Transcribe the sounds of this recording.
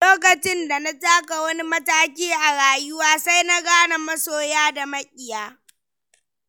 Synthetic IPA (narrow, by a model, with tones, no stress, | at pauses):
loː˦k̬ɐ˨t͡ʃɪ˦nda˨na˦taː˦ka˨wɐ˦ni˦mɐ˦taː˦kʲiː˦ʔa˨ɽaː˨jʊ˦waː˦sa˦jna˦ɡaː˦na˨mɐ˦soː˦jaː˦da˨mɐ˦kʲʼɪ˨jaː˦